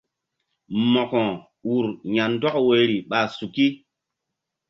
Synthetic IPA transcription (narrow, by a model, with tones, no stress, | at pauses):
mɔ˨kɔ̃˨ | u˨ɾja˨n˦dɔ˦kwe˨ɾi˨ɓa˨su˨ki˦